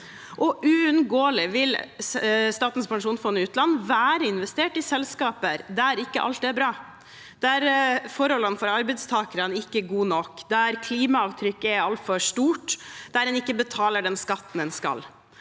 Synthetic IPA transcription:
ʔɔʔʉʉnɡoːlɪʋɪl | st̪ɑːt̪n̩spʰɑŋʂuːnsfɔnːɪʉːt̪lɑnːʋæːɾəɪnʋɛst̪eːʈɪsɛlskɑːpəɾd̪æɾɪkːəʔɑ̰lt̪ɛbɾɑː | d̪̥æɾfɔɾhɔlːənfɔɾɑɾbɛɪd̪st̪ʰɑːkəɾənɪkːəɡuːnɔkːd̪æɾkʰliːmɑɑːʋt̪ʰɾʏkːɛɑlt̪fɔʂt̪uːʈd̪̥æɾɛnɪkːəbət̪ʰɑːləɖɛnskɑt̪ːn̩ɛnskɑ̰l

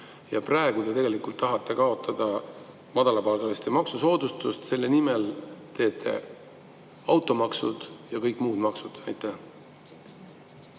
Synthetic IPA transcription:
jɑprɑeɡ̥ud̪e̞t̪e̞ɡelikult̪ːɑɦɑt̪ːˑe̞kɑo̞t̪ʰːˑɑd̪̥ɑ | mɑd̪̥ɑlɑpɑlɡ̥ɑlest̪emɑksuso̞ːd̪̥ust̪ust̪se̞lːe̞nimelt̪e̞ːt̪ʰːe̞̰ | ɑwt̪ˑo̞mɑksud̪̥jɑkɤjkːˑmuːd̪̥mɑksud̪̥ɑjt̪ːˑæh

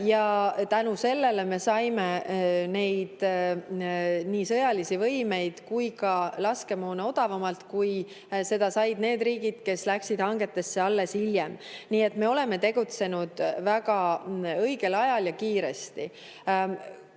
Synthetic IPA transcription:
jɑt̪ænuse̞lːe̞le̞me̞sɑjmene̞jd̪̥ | niːsɤjɑlisivɤjme̞jd̪̥kujkɑlɑske̞moːneo̞d̪̥ɑvɑmɑlt̪kuj | se̞d̪̥ɑsɑjd̪ne̞ːd̪riːɡ̥id̪̥̚ke̞slæksid̪̥hɑŋɡe̞t̪ːe̞sːeɑlːe̞siljemniːe̞t̪ːme̞o̞le̞me̞t̪e̞ɡ̥ut̪se̞nud̪̥væɡɑɤ̞jɡ̥e̞lɑjɑljɑkiːɾe̞st̪i

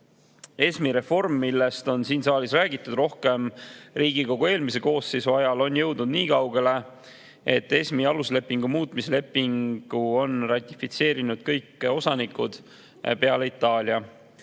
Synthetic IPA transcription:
e̞smiɾe̞fo̞rmːilːe̞st̪o̞nsiːnsɑːlʲisræːɡit̪ːˑud̪̥ro̞hke̞mriːɡ̥iko̞ɡ̥oe̞ːlmise̞ko̞ːsːisɑjɑlo̞njɤ̞wd̪nud̪niːkɑwɡ̥e̞le̞ | e̞t̪ˑːe̞smiɑlusle̞pːiŋɡ̥umuːt̪ˑmisele̞pːˑiŋɡ̥uo̞nrɑt̪ʲːˑifit̪se̞ːɾinud̪̥̚kɤjkːo̞sɑnikːud̪̥ | pe̞ɑleit̪ːˑɑːlʲiɑ

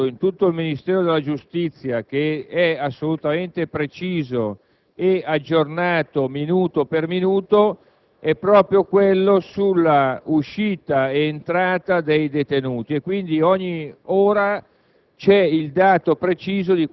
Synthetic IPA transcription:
oint̪ut̪ːoilminist̪ɛːɾod̪elːad͡ʒust̪it̪sːjak̟eɛasːolut̪ament̪epɾet͡ʃiːzo | ead͡ʒːornaːt̪ominuːt̪operminuːt̪o | ɛpːɾɔːpɾjokwelːosulːauʃiːt̪aeːnt̪ɾaːt̪ad̪ejd̪et̪enuːt̪iekːwind̪iɔɲːioːɾa | t͡ʃɛild̪aːt̪opɾet͡ʃiːzod̪i

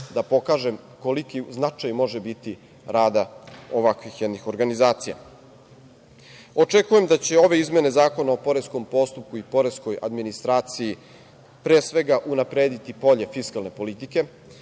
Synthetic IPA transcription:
d̪apo̞kaːʒe̞m | ko̞likiznat͡ʂajmo̞ʒebit̪i | ɾaːd̪ao̞ʋakʋixjɛd̪nixo̞ɾɡanizaːt̪sija̰ | o̞t͡ʂe̞kuje̞md̪at͡ɕe̞o̞ʋe̞izmje̞ne̞zaːko̞nao̞po̞ɾesko̞mpo̞st̪up̚kuipo̞ɾe̞sko̞ja̰d̪minist̪ɾaːt̪siji | pɾeːsʋe̞ɡaʔunapɾeːd̪it̪ipo̞ʎe̞fiskalˠne̞po̞lit̪ike̞

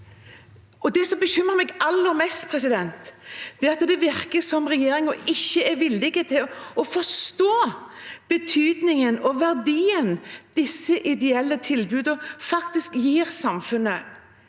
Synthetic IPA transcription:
ɔd̪ɛsɔmbəɕʏmːəɾmɛɡɑlːəɾmɛst̪pʰɾɛsɪd̪ɛnt̪d̪̥ɛːɑt̪d̪ɛʋɪɾkəsɔmɾɛjeːɾɪŋɔɪçːəɛɾʋɪlːɪɡət̪ʰɪlɔfɔst̪oːb̥ət̪ʰyːd̪nɪŋənɔʋæɾd̪iːənd̪̥ɪsːəʔɪd̪ɛɛlːət̪ʰɪlbʉːd̪əfɑkt̪ɪskjiːɾsɑmfʉnːə

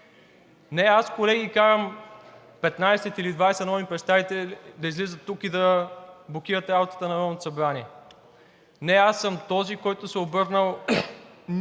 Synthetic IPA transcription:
nɛaskolɛɡikaɾəm | pɛt̪najsɛt̪ilid̪vajsɛnɔvipɾɛt̪st̪avit̪ɛld̪ɐizlizət̪ːukid̪ɐblˠok̟ʲiɾət̪ɛɾabot̪ə̥t̪ənɐɾɔnot̪osɐbɾaniɛ | nɛasːəmt̪ɔzikɔjt̪osɛobɤɾnəlˠ

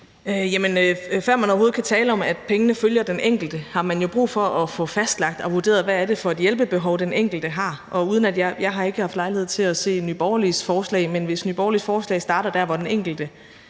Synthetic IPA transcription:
øjæmənøfɶɐ̰mænɒʊɦo̝ð̩ˠkʰæt͡sʰɛːləɒ̽mæd̥pʰeŋənəføljɐd̥enʔeŋ̰ɡ̥l̩d̥əhɑ̈mænjo̝b̥ʁṵːfɒɒ̽fɔ̽fæsd̥lɑ̈ɡ̥̚d̥ɒ̽ʋuɐde̝̰ːɐð̩ˠʋææd̥e̝fɒ̽e̝d̥jelb̥əb̥e̝ɦɒ̽ʊd̥enʔeŋ̰ɡ̥l̩d̥əɦɑ̈ʔɒ̽uːð̞ˠən̩æd̥jɑjɑ̈ɪɦɑ̈e̝ɡ̥əhɑ̈fd̥lɑ̈ɪlihe̝ð̞̰ˠt͡sʰe̝læse̝̰ːnyb̥ɒʊɐlisfɒːslɛ̰ɪmenʋe̝snyb̥ɒʊlisfɒːslɛ̰ɪsd̥ɑ̈ːɾɐd̥æɐʋɒd̥eneŋ̰ɡ̥l̩d̥ə

